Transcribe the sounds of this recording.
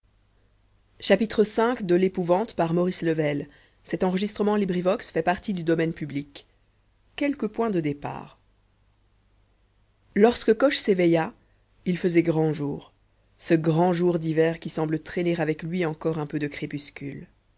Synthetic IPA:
ʃapit̪χəsɛ̃kd̪əlepuvɑ̃t̪paʁmɔʁisləvɛl | sɛt̪ɑ̃ʁəʒist̪χəmɑ̃libʁivɔksfɛpaʁt̪id̪yd̪ɔmɛnpyblikː | ɛlkəpwɛ̃d̪əd̪epa̰ːʁ | lɔʁskəkɔʃsevɛja | ilfəzɛɡʁɑ̃ʒuːʁ | səɡʁɑ̃ʒuʁd̪ivɛʁkʲisɑ̃blət̪χeneʁavɛklɥiɑ̃kɔʁɛ̃pød̪əkχepyskʲyl

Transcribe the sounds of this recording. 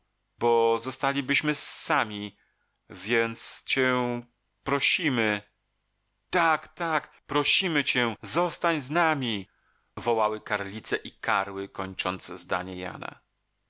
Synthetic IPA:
bɔzɔst̪alʲibɘɕmɘsːamʲi | vʲjɛnt̪st͡ɕɛ | pɾɔɕimɘ | t̪akt̪ak | pɾɔɕimɘt͡ɕɛ̃zɔst̪aɲznamʲi | vɔwawɘkaɾlʲit̪sɛʔikaɾwɘkɔɲt͡ʂɔnd̪zzd̪a̰ɲɛja̰na̰

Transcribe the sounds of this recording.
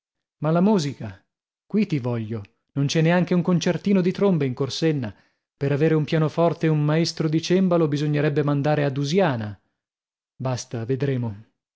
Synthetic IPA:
malamuːzika | kwit̪ivɔʎːo | nont͡ʃɛnːeaŋkeuŋkont͡ʃert̪iːnod̪it̪ɾombeiŋkorsenːa | peɾaveːɾeumpjaːnofɔrt̪eummaest̪ɾod̪it͡ʃembalobizoɲːeɾɛbːemand̪aːɾead̪uzjaːna | bast̪aved̪ɾeːmo

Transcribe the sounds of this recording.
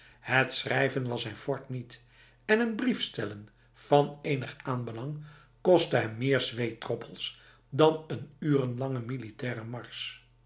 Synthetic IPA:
hətsrɛjvənʋɑsɛjnfɔɹtnit | ɛnənbrifstɛlən | v̥ɑnejnəχaːnbəlɑŋ | kɔstəɦɛmːɪːɹzʋejtrɔpʰəlˠs | dɑnənyːrənlɑŋəmilitɛːrəmɑɹs

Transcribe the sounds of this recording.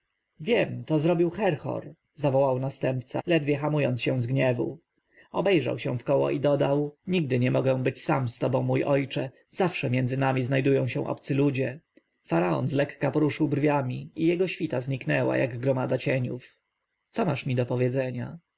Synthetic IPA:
vʲjɛmt̪ɔzɾɔbʲiwxɛɾxɔ̰ɾ | zavɔwawnast̪ɛmp̚t̪sa̰lɛd̪vʲjɛxamujɔnt̪sɕɛ̃w̃zɡɲɛvṵ | ɔbɛjʐa̰wɕɛ̃fkɔwɔ̰ʔid̪ɔd̪awɲiɡ̚d̪ɘɲɛmɔɡɛw̃bɘt͡ɕsamst̪ɔbɔ̃w̃mːujʔɔjt͡ʂɛ | z̥afʂɛmʲjɛndzɘnamʲiznajd̪ujɔ̃w̃ɕɛ̃ʔɔ̰p̚t̪sɘlud͡ʑɛ | faɾaɔ̰nzlɛkːapɔɾuʂɘwbrvʲjamʲiijɛɡɔɕfʲit̪azɲiknɛwa̰ja̰ɡɡɾɔmad̪at͡ɕɛɲṵf | t̪sɔmaʂmʲid̪ɔpɔvʲjɛd̪zɛɲa̰

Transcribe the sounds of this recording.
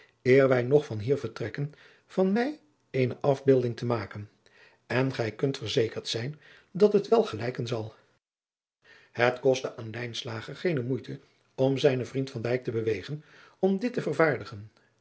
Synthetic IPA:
ɪːɹʋɛjnɔχfɑnɦiːɹvəɹtrɛkən | v̥ɑnmɛj | ejnəʔɑvbɪlˠdɪŋtəmaːkən | ɛnχɛjkɵntfəɹzejkəɹtsɛjn | dɑtɦətʋɛlˠχəlɛjkənzɑlˠ | ɦətkɔstəʔaːnlɛjnslaːχəɹχejnəmujtʰə | ɔmzɛjnəvrintfɑndɛjk̚təbəʋejχənɔmdɪtəvəɹvaːɹdəχən

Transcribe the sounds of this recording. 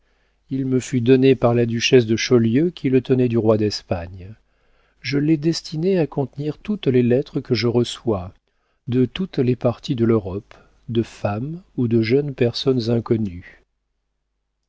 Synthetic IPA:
ilməfyd̪ɔnepaʁlad̪yʃɛs̬d̪əʃɔljøkʲʰilət̪ənɛd̪yʁwad̪ɛspaɲ | ʒəlɛd̪ɛst̪ʰineakɔ̃t̪niʁt̪ut̪lelɛt̪χəkəʒəʁəswa | d̪ət̪ut̪lepaʁt̪id̪əløʁɔp | d̪əfamud̪əʒənpɛʁsɔnzɛ̃kɔny

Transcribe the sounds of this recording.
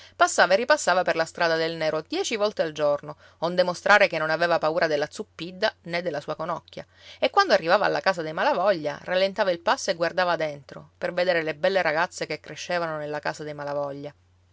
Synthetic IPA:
pasːaːvaerːipasːaːvaperlast̪ɾaːd̪ad̪elnɛːɾod̪jɛːt͡ʃivɔlt̪eald͡ʒorno | ond̪emost̪ɾʔaːɾekenːonaveːvapauːɾad̪elːat̪supːid̪ːaned̪ːelːasuːakonɔkːja̰ | ekːwand̪oarːivaːva̰a̰lːa̰kaːsad̪ejmalavɔʎːa̰ralːent̪aːvailpasːoeɡward̪aːvad̪ent̪ɾo̰perved̪eːɾelebɛlːeɾaɡat̪sːekekːɾeʃːeːvanonelːakaːsad̪emalavɔʎːa

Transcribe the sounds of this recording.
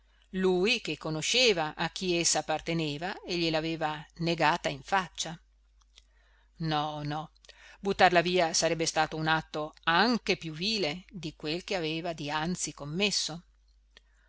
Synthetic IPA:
luːjk̟ekːonoʃeːvaʔak̟ːiesːaːpːart̪eneːvaeʎːelaːveːvaneɡaːt̪aiɱfat͡ʃːa | nɔnɔbut̪ːarlaviːasaɾɛbːest̪aːt̪ounat̪ːoaŋkepjuviːled̪ikwelk̟eaveːvad̪iant̪sikomːesːo

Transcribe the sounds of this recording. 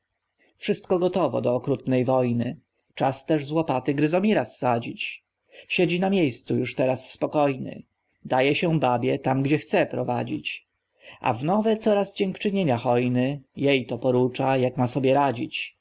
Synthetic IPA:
fʂɘst̪̚kɔɡɔt̪ɔvɔ̰d̪ɔːkɾut̪nɛjvɔjnɘ | t͡ʂast̪ɛʐzwɔpat̪ɘɡɾɘzɔmʲiɾasːad͡ʑit͡ɕ | ɕed͡ʑinamʲjejst̪sujuʂt̪ɛɾasːpɔkɔjnɘ̰ | d̪ajɛɕɛbabʲjɛt̪amɡd͡ʑɛxt̪sɛpɾɔvad͡ʑḭt͡ɕ | a̰vnɔvɛt̪sɔɾasd͡ʑɛŋkt͡ʂɘɲeɲaxɔjnɘjejt̪ɔpɔɾut͡ʂajakmasɔbʲjɛɾad͡ʑit͡ɕ

